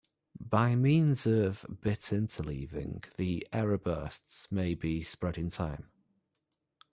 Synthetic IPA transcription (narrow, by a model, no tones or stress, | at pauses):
b̥aɪmĩːnzəv̥bɪtʰɪ̃ntʰəliːvɪ̰̃ŋðiʔɛɹəbɜˑstsmeɪbispɹɛɾɪ̃ntʰãɪ̃m